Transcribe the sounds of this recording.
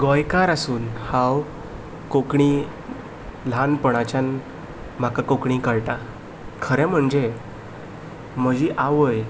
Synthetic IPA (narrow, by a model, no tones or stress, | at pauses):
ɡojkaɾasuːnhãw | kokɳi | l̤anpəɽ̃at͡ɕan | m̤akakokɳikəɭʈa | kʰəɾɛ̃m̤əɳd͡ze | m̤əd͡ʑiʔaʋəj